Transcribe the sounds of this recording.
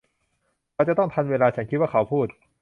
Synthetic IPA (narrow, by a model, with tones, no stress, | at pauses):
ɾa˧wt͡ɕa˨˩t̪ɔ˥˩ŋt̪ʰa˧nweː˧laː˧t͡ɕʰa˦˥nkʰi˦˥waː˥˩kʰa˩˦wpʰuː˥˩t̪̚